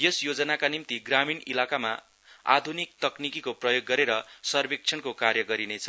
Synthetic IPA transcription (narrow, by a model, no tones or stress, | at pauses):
jesjod͡zʌnakanimt̪iɡraminilakama | a̰d̪ʱunik̚t̪ʌknikikoprʌjoɡːʌɾeɾʌsʌrbik̚t͡sʰʌnkokarjʌɡʌɾinet͡sʰʌ